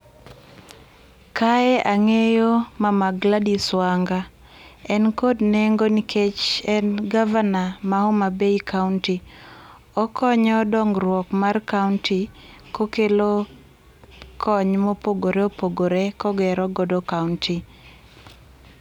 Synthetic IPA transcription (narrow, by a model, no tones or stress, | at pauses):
kaɛʔaŋejomamaɡladiswaŋɡa | ɛnkodneŋɡoniket͡ʃɛnɡavanamaɔmabeikaunti | ɔkʰɔɲɔdɔŋɡrwɔkmarkauntikokelo | kʰɔɲmɔpoɡoɾeopoɡoɾekɔɡɛɾɔɡɔdɔkaunti